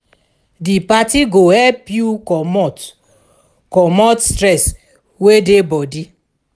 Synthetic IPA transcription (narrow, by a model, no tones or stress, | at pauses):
dipatiɡohɛlpjumt | kɔmɔtstɾɛs | wedebɔdi